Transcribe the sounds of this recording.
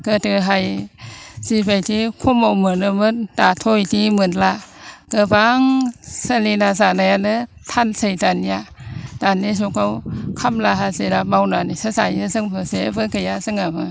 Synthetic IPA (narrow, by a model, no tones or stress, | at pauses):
kətɯɦaj | sibajtʰikʰumawmɯnɯmɯntatʰojtimɯnlakɯbaŋsalinazanajanɯ | tʰansəjtanjad̥anis̬ukawkʰamlaɦazeɾabawnanisɯsa̰jɯsɯŋbʰɯsebɯkɯjasɯŋabɯ